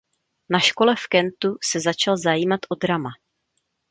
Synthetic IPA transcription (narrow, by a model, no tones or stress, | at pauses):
naʃko̞lɛfkɛnt̪usɛzat͡ʃalzajiːmat̪ʔo̞d̪ɾama